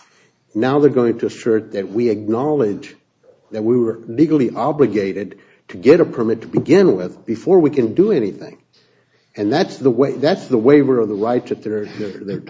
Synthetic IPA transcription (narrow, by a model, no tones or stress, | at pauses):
naʊðə˞ɡoʊɪ̃ŋtʰɨːsɜ˞t̪̚ðɨt̚wiɨk̚nɑlˠɪd͡ʒ | ðɨt̚wiwə˞liɡl̩ˠiʔɑblɨɡeɪɾɨd̚ | tʰɨɡɛɾəpʰə˞mɪtʰəbɨɡɪ̃nwɪðbɨfɔɹwikɨ̃ndəɛniθɪ̰̃ŋ | ɨ̃nðætsðəweɪðætsðəweɪvə˞ʌvðəɹaɪtsɨt̪̚ðə˞ðə˞ðə˞